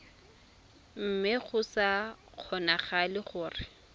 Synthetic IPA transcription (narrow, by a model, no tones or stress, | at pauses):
m̩mɪχʊsaq͡χʰɔnaχalɪχʊːrɪ